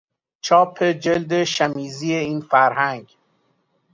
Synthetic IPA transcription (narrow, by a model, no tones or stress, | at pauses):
t͡ʃʰɒːpʰe̞d͡ʒe̞ld̪eʃæmiːziːeiːnfæɾhæŋɡ